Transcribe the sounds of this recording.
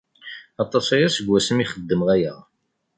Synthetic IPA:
ɑt̪ˤɑsæjæsəɡʷːæsəmiχəd̪ːəmʁæjæ̰

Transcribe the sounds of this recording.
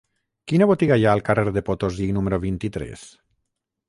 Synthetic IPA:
kinaβot̪iɣajaːlˠkareɾðepot̪ozinumeɾoβint̪it̪ɾɛ̰s

